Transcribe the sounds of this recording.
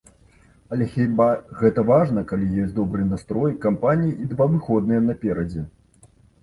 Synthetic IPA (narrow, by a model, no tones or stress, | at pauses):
ɐlʲɛxʲibaɣɛt̪ɐvaʐnɐkalʲijɔsʲtʲd̪ɔbɾɨnast̪ɾɔjkampanʲijiʔid̪vavɨxɔd̪̚nɨjɐnɐpʲɛɾɐd͡zʲɛ